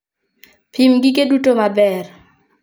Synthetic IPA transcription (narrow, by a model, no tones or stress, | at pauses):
pʰimɡɪkedutomabɛr